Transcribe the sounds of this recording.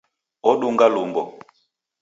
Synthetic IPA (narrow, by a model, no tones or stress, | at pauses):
ɔɗuŋɡalumbɔ